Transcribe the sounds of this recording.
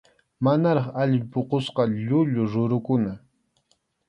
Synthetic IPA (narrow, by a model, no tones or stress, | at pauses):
manaɾɑχaʎɪmpoqosqɑʎʊʎʊɾʊɾʊkʊna